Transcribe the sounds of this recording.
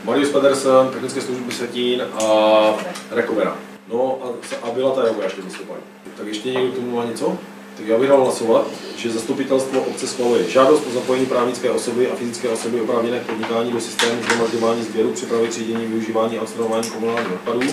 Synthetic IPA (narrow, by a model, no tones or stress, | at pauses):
maɾɪjuspɛd̪ɛɾsɛnt̪ɛxnɪt͡skɛːsluʒbɪsɛciːnʔa | ɾɛkovɛɾa̰ | noʔasʔabɪlat̪ajavojaːʃkɛzast̪upa̰dṵ | t̪akjɛʃcɛɲɛɡdokt̪o̞mumaːɲɛt͡so | t̪akjaːbɪɣdalɦlaso̞vat̪ʒ̥ɛzast̪upɪt̪ɛlst̪voʔop̚t͡sɛsxvalujɛʒaːdost̪̚po̞zapojɛɲiːpɾaːvɲɪt͡skɛːʔo̞so̞bɪʔafɪzɪt͡skɛːʔo̞so̞bɪopɾaːvɲɛnɛːkpo̞dɲɪkaːɲiːdosɪ̥st̪ɛːmuzamazɟovaːɲiːzbjɛɾupr̥ɪpɾavɪt̪r̥iːɟɛɲiːmvɪuʒiːvaːɲiːaotst̪ɾaovaːɲiːkomunaːlɲiːxot̪̚paduː